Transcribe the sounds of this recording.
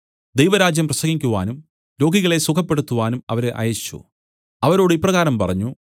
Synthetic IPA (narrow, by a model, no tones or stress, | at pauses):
d̪ejʋɐɾaːd͡ʑjɐmprɐsɐŋikʲːuʋa̰ːnum | lo̞ːɡiɣɐɭe̞sukʰɐpːe̞ɽut̪ːuʋaːnumɐ̰ʋɐɾeʔa̰ːjɐɕi̥t͡ɕːṵ | ɐʋɐɾo̞ːɽɨipːrɐɣaːɾɐmpɐrɐɲːu